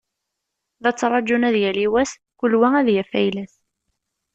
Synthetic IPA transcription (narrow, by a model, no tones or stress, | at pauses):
ðæt͡sːɾˤɑd͡ʒunæðjæliwæs | kulwææðjæfæjlæs